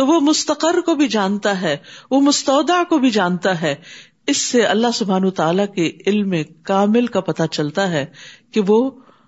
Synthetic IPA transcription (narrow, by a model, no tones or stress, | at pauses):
t̪oʋomʊst̪ɐqəɾːkobʱid͡ʒaːnt̪aɦɛːʋomʊst̪ɔːd̪aʕkobʱid͡ʒãːnt̪aɦɛː | ɪsːeɐlːaɦsʊbʱaːnːt̪aːlakeɪlmẽkaːmɪlkapɐt̪at͡ʃɐlt̪aɦɛːkeʋoː